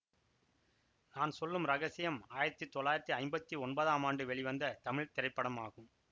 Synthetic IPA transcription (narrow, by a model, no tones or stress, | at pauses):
naːnsɔlːɯmɾɐɣɐsɪjɐmaːjɪɾɐt̪ːɯt̪ːɔlːaːjɪɾɐt̪ːɯɐɪmbɐt̪ːiɔnbɐðaːmaːɳɖɯʋɛɭɪʋɐnd̪ɐt̪ɐmɪɭt̪ɪɾɐɪpːɐɽɐmaːɣɯm